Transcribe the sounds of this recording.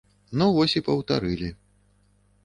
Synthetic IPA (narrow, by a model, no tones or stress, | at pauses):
nɔvɔsʲipɐwt̪a̰ɾɨlʲi